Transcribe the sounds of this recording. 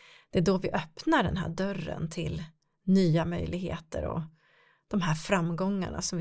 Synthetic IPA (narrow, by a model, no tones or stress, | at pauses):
d̪̥ɛæɖɔvɪʔœpnaɖɛnɦæ̰ːɖœrːə̰nt̪ʰɪl | nyːamœjlɪɡhḛːt̪əɾɔ̰ | d̪̥ɔmɦæːɾfɾamːɡɔŋːa̰ɳa̰sɔmvɪ